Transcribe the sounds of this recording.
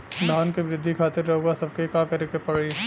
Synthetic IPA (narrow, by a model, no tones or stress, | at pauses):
d̪ʱaːnkeʋɾɪd̪ʱːikʰaːt̪ɪɾːɐɦoɡasɐb̚kekakɐɾekepɐɽe